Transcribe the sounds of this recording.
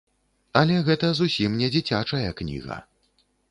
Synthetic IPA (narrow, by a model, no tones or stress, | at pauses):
ɐlʲɛɣɛt̪ɐzusʲimnʲɛd͡zʲit͡sʲat͡ʂɐjɐknʲḭɣɐ̰